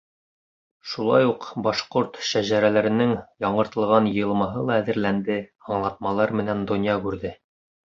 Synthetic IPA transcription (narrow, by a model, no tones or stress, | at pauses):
ʃulˠɑ̰juqbɑʃqoɾt̪ʃæʑæɾælæɾɘ̆nɘŋjɑɴɤ̆ɾt̪ɤ̆lˠʁɑnjɤ̆jɤ̆lˠmɑɦɤlˠɑæðɘ̆ɾlænd̪ɘɑɴlˠɑt̪̚mɑlˠɑɾmɘ̆nænd̪ŏnʲjɑkʉɾðɘ